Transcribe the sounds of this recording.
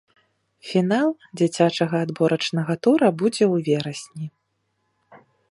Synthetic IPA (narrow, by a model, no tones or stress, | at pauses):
fʲinalˠ | d͡zʲit͡sʲat͡ʂɐɣɐːd̪bɔɾɐt͡ʂnɐɣɐt̪uɾɐbud͡zʲɛwvʲɛɾɐsʲnʲi